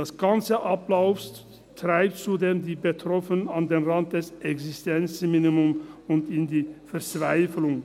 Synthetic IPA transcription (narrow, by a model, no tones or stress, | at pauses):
dasɡ̥ant͡səʔaplaʊfs | tʁ̥aɪp̚tt͡sudeːmdiːbətʁ̥ɔfənənandeːnʁant̚d̥ɛsʔɛksɪstɛnt͡sminimʊmʊntɪndiːfɛɐt͡sv̥aɪflʊŋ